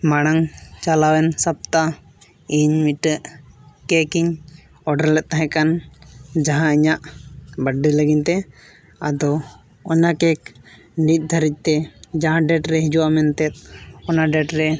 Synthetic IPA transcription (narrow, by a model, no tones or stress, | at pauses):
maɽ̃aŋt͡ʃalawɛnsap̚t̪a | iɲmiʈəʔkɛkiɲ | ɔɖəɾlɛt̪̚t̪aɦɛ̃kand͡ʒaɦãiɲaʔbəɖːiləɡiɲt̪ɛ | a̰d̪ɔ | ɔnakɛk̚ | nit̪̚ˀd̪ʱəɾic̪̚ˀt̪ɛd͡ʒaɦãɖɛʈɾɛɦid͡ʒuwamɛnt̪ɛt̪̚ɔnaɖɛʈɾɛ